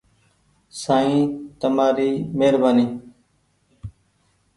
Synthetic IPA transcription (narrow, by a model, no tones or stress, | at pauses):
saːĩːt̪əmaːɾiːmeːɾbaːniː